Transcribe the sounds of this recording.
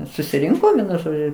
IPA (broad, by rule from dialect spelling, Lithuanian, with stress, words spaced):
sʊsʲɪˈrʲɪŋkoː ˈʋʲiɛnʊ ˈʒoːd͡ʒʲʊ